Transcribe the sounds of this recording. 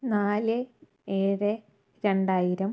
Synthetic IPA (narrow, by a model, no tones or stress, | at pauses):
naːlɨ | eːrɨ | ɾe̞ɳɖaːjiɾɐm